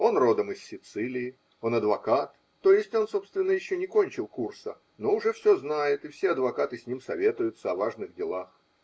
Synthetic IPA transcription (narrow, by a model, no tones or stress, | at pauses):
o̞nro̞d̪əmɨsːʲɪt̪sɨlʲɪɪ | o̞nɐd̪vɐkat̪ːo̞jɪsʲtʲo̞nso̞pst̪vʲɪnːəjɪɕːonʲɪko̞nʲt͡ɕɪlˠkursə̰ | no̞ʊʐɛfsʲo̞znajɪt̪ɪfsʲeɐd̪vɐkat̪ɨsʲnʲimsɐvʲe̞t̪ʊjʊt̪səɐvaʐnɨɣdʲɪlˠax